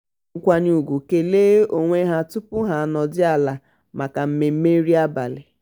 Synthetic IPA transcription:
kʷa˦ɲu˦u˨ɡʷu˨ke˨leː˦o˨ŋʷe˦ɦa˦tʊ˦pʊ˦ɦa˨nɔ˨dɪ˦a˦˨la˨ | ma˨ka˨m̩˦me˨m̩˦me˦ɾi˦a˦ba˨lɪ˨

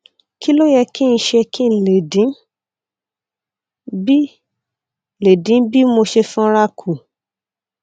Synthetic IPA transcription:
ki˦lo˦jɛ˧ki˦˧n̩˧ʃɛ˧ki˦n̩˨le˨dĩ˨˦ | bi˦˨ | le˨dĩ˨˦bi˦mo˧ʃe˧fũ˦ɾa˦˧kʰu˨

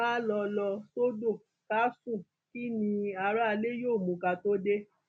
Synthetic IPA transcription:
a˦lɔ˧lɔ˧so˦do˦˨ | ka˦sũ˦˨ | ki˦nĩ˧a˧ɾa˦a˧le˦joː˦˨mũ˨˦ka˧to˦de˦

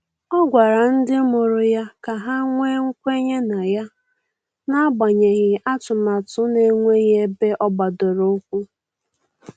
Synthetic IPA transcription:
ɔ˦ɡʷa˨ɾa˨n̩˦dɪ˦mo˨ɾʊ˨ja˦ka˨ɦa˦ŋʷe˦ŋ̩˦kʷe˦ɲe˦na˨ja˦ | na˦a˦ba˨ɲe˨ɣɪ˨a˦tʊ˨ma˨tʊ˦ne˨ŋʷe˦ɣe˦be˦ʔɔ˦ɡ͡ba˨do˨ɾo˦kʷu˦

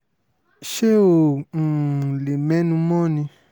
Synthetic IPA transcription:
ʃe˦õ˨ | le˨mɛ̃˨˦nũ˦mɔ̃˦˨nĩ˧

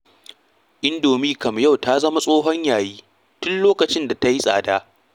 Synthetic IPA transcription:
ʔɪ˦ndoː˨miː˦kɐ˨m˨ja˦˨wta˦zɐ˦ma˦sʼoː˦ɦɔ˦ɲjaː˨jiː˦ | tʊ˦nloː˦kɐ˨t͡ʃɪ˦nda˨ta˦ji˦sʼa̰ː˨daː˦

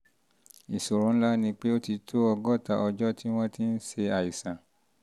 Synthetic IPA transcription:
i˨so˨ɾũ˨˧n̩˦la˦nĩ˧k͡pe˦o˦ti˧tʰo˦ɔ˧ɡɔ˦˨ta˧ʔɔ˧d͡ʒɔ˦tʰi˦w̃ɔ̃˦ti˦n̩˦se˧a˨i˨sã˨

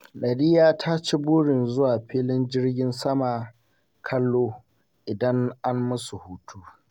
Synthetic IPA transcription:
ɗɐ˨ɽɪ˦jaː˦tʰa˦t͡ʃi˦bʊː˦ɽɪ˨nzʊ˦waː˨ɸiː˦lɪ˦nd͡ʒɪ˦rɡʲɪ˦nsɐ˦maː˨ | kʰɐ˦lːoː˦ | ʔɪ˨dɐ˦ŋʔa˦mːʊ˦su˨huː˦tʰuː˦

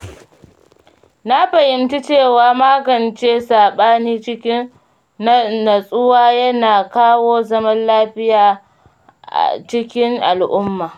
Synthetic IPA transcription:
na˦ɸɐ˨ʔɪ˨nti˦t͡ʃeː˦˨waː˨maː˦ɡɐ˨nt͡ʃeː˦saː˨ɓaː˦niː˦t͡ʃɪ˦kʲɪ˦n˦ | na˨sʼʊ˦waː˦jɐ˦naː˨kaː˦woː˦zɐ˦mɐ˦nlaː˦ɸɪ˦jaː˨ | ʔa̰˨t͡ʃɪ˦kʲɪ˦ŋʔa˨lʔʊ˦mːaː˨

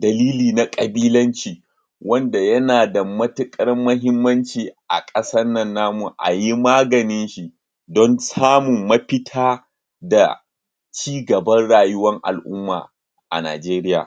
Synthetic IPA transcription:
dɐ˨liː˦liː˨na˦kʼɐ˨biː˦lɐ˦nt͡ʃiː˨ | wɐ˦nda˨jɐ˦naː˨da˨mɐ˦tɪ˦kʼɐ˦ɾmːɐ˦ɦɪ˦mːɐ˦nt͡ʃiː˨ʔa̰˨kʼɐ˦sɐ˦nɐ˦˨nːaː˦mu˨ʔa̰˨ji˦maː˦ɡɐ˨nɪ˦nʃi˦ | dɔ˦nsaː˦mʊ˨mːɐ˦ɸɪ˦tʰaː˦ | da̰˨ | t͡ʃiː˦ɡɐ˨bɐ˦nɽaː˨jʊ˦wɐ˦ŋʔa̰˨lʔʊ˦mːa̰ː˨ | ʔa̰˨na̰ː˨d͡ʒeː˦ɾɪ˦ja̰ː˨

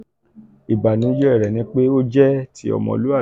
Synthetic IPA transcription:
i˨ba˨nĩ˨˦d͡ʒɛ˦ɛ˦˨ɾɛ˨nĩ˧˦k͡pe˦o˦d͡ʒɛ˦tʰi˦ɔ̰˦˨mɔ̰̃˨lu˦a˦˨

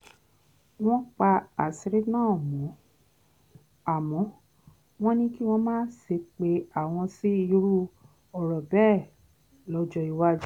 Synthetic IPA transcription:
w̃ɔ̃˦k͡pa˧a˨si˨˧ɾe˦nãː˦˨mɔ̃˨˦ | a˦˨mɔ̃˨˦ | w̃ɔ̃˦nĩ˦ki˦w̃ɔ̃˦mãː˦se˧k͡pe˧˦a˨w̃ɔ̃˧si˦i˧˦ɾu˦ | ɔ˨ɾɔ˨bɛː˦˨ | lɔ˧˦d͡ʒɔ˧i˧wa˦d͡ʒi˦

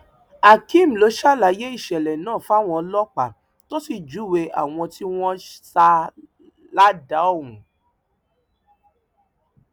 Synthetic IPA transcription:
a˨kĩ˦˨m̩˨lo˨˦ʃa˦˨la˨˦je˦i˦˨ʃɛ˨lɛ˨nãː˦˨fa˦˨w̃ɔ̃˧lɔ˦k͡pa˨ | to˦si˨d͡ʒu˨˦˨we˧ʔa̰˨w̃ɔ̃˧ti˦w̃ɔ̃˦sa˧ | la˦da˨˦ɔ˦˨wũ˨

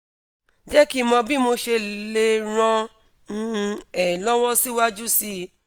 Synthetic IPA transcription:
d͡ʒɛ˦ki˦mɔ̃˧bi˦mo˧ʃe˧le˧ɾ̃ã˧ | nũ˧ɛ˨lɔ˦wɔ˦si˦wa˦d͡ʒu˦si˧

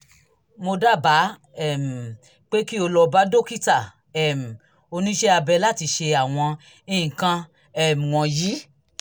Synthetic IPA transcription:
mo˧da˦˨ba˨˦ | ɛ˦˨m̩˨ | k͡pe˦ki˦o˧lɔ˧ba˨˦do˦˨ki˦ta˦˨ | ɛ˨m̩˨ | o˧nĩ˦ʃɛ˦a˧bɛ˧la˦˨ti˧ʃe˧a˨w̃ɔ̃˧ | ĩ˦˨kã˧ | ɛ˦˨m˨wɔ̃˧jiː˨˦

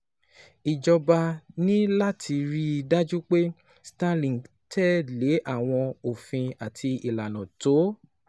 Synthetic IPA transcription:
i˨d͡ʒɔ˧ba˧nĩ˦la˦tʰi˧ɾi˦˧da˦d͡ʒu˦k͡pe˦ | sta˧lĩ˨ | tɛ˦˨le˨˦ʔa˦˨w̃ɔ̃˧o˨fĩ˧a˨tʰi˧i˨la˨nɔ̃˨to˨˦

